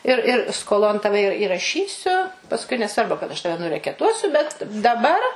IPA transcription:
ɪr ɪr skoːˈlˠoːn ˈtɑːʋʲɛ ɪr ɪrɐˈʃʲiːsʲʊ pɐsˈkʊɪ nʲɛˈsʋɐrbʊ kɐt ɐʃ ˈtɑːʋʲɛ nʊrʲɛkʲɛˈtuɔsʲʊ bʲɛt dɐˈbɐr

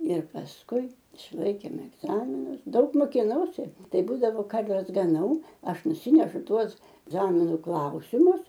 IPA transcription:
ɪr pɐsˈkʊɪ ɪʃˈlˠɐɪkʲeːm ɛɡˈzɑːmʲɪnʊs ˈdɐʊk moːkʲɪˈnɐʊsʲɪ ˈtɐɪ ˈbuːdɐʋoː ˈkɐrʲʋʲɛs ɡɐˈnɐʊ ˈɐʃ nʊˈsʲɪnʲɛʃʊ ˈtuɔs ˈzɑːmʲɪnʊ ˈklˠɐʊsʲɪmʊs

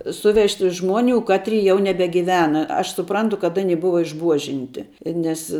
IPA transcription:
ˈsʊʋʲɛʃʲtʲɪ ˈʒmuɔnʲʊ ˈkɑːtʲrʲɪ jɛʊ nʲɛbʲɛɡʲɪˈʋʲæːnɐ ɐʃ sʊˈprɐntʊ kɐt ˈɑːnʲɪ ˈbʊʋɐ ɪʒˈbuɔʒʲɪnʲtʲɪ ˈnʲɛs

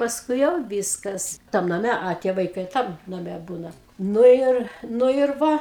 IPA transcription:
pɐsˈkʊɪ jɛʊ ˈʋʲiːskɐs tɐm nɐˈmʲɛ ɐ ˈtʲiɛ ʋɐɪˈkɐɪ ˈtɐm nɐˈmʲɛ ˈbuːnɐ ˈnʊ ɪr ˈnʊ ɪr ˈʋɐ

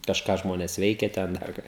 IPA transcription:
kɐʃˈkɑː ˈʒmoːnʲeːs ˈʋʲɛɪkʲɛ ˈtʲɛn ˈdɐr kɑː

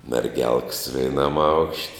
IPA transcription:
mʲɛrʲˈɡʲɛlˠks ʋʲɛɪˈnɐm ɐʊkʃʲtʲ

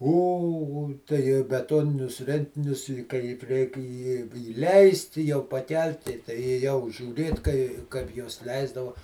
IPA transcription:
ˈoː oː tɐɪ bʲɛˈtoːnʲɪnʲʊs ˈrʲɛnʲtʲɪnʲʊs ɪ ˈkɐɪp rʲɛɪk ɪ ɪˈlʲɛɪsʲtʲ ɪ jɛʊ pɐˈkʲɛlʲtʲɪ tɐɪ eːˈjɛʊ ʒʲuːˈrʲeːt kɐɪ ˈkɐɪp juɔs ˈlʲɛɪzdɐʋɐ

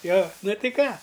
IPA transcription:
joː nʊ tʲɪ ˈkɑː

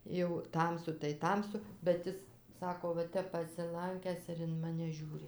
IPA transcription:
jɛʊ ˈtɐmsʊ tɐɪ ˈtɐmsʊ bʲɛt ˈɪs ˈsɑːkoː ʋɐ ˈtʲɛp pɐsʲɪˈlˠɐŋʲkʲæːs ɪr ɪn ˈmɑːnʲɛ ˈʒʲuːrʲɪ

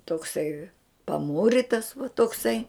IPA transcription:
toːkˈsɐɪ pɐˈmuːrʲɪtɐs ʋɐ toːkˈsɐɪ

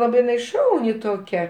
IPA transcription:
ˈlˠɑːbɐɪ ˈʃɐʊnʲɪ toːˈkʲɛ

